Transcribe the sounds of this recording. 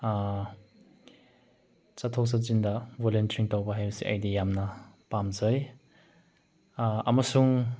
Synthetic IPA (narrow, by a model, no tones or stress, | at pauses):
t͡ʃatʰows̬azindɐbolentɾiŋtawbɐɦajbɐsiʔa̰jdijamnɐpamzɐj | ɐmɐsuŋ